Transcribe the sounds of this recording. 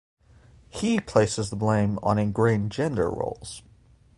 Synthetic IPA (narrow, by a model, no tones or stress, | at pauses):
hipʰl̥eɪsɨzðəblẽɪ̃mə̰̃nɨ̃nɡɹẽɪ̃nd͡ʒɛ̃ndə̰˞ɹo̰ʊlˠz̥